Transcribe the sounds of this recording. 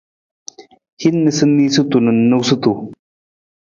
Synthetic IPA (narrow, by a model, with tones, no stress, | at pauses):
hi˦nːə˨sɨ˦nːiː˦su˦t̪u˨nu˨nːu˦˧wsu˦t̪u˨